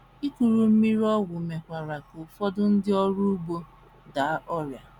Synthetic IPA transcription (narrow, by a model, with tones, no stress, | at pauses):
i˦ku˨ɾu˨m̩˦mi˦ɾi˦ɔ˦wʊ˨me˨kʷa˨ɾa˨ko˨fɔ˦dʊ˦n̩˦dɪ˦ɔ˦ɾu˦bo˦ | da˨˦ʔɔ˦ɾja˨